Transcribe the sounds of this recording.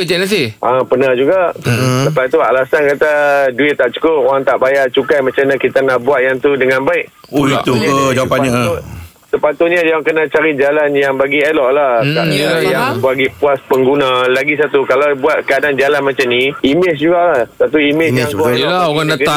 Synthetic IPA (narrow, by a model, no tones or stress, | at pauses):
əd͡ʒanas̬iʔapənahd͡ʒuɡaʔsəpat̪ua̰lasankat̪aduɪt̪t̪ːaʔt͡ʃu̥kopoɣaŋt̪aʔbajaʔt͡ʃukajmat͡ʃamɲakit̪anahbuaʔ̪jaŋt̪udəŋãnbaɪʔ | a̰ukəd͡ʒawapaɲa | səpat̪ʊt̪̚ɲajaŋkənat͡ʃaɾid͡ʒalanjaŋbaɡiɛlɔʔlahaɲjaŋbaɡipuaspəŋɡunãlaɡis̬at̪ukalawbuat̪̚kəadand͡ʒalanmãt͡ʃamniimɪs̬d͡ʒuɡaʔlahsat̪uimɪsəlaoɣaŋdakt̪aŋ